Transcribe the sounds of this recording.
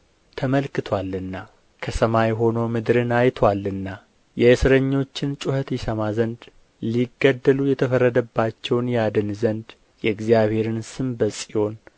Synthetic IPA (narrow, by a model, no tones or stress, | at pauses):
t̪ʰəməlkɨt̪ʰwalːɨnːa | kʰəsəmajɛɦo̞no̞mɨd̪ɾɨnajt̪ʰwalːɨnːa | jɛɨsɨɾəɲːo̞t͡ʃːɪnt͡ʃʼuhət̪jɪsəmazənd̪ | liɡːəd̪ːəlujɛt̪ʰəfərːəd̪əbːat͡ʃːɛwnjad̪ɨnzənd̪ | jɛɨɡzijaβhe̞ɾɨnsɨmbəsʼiho̞n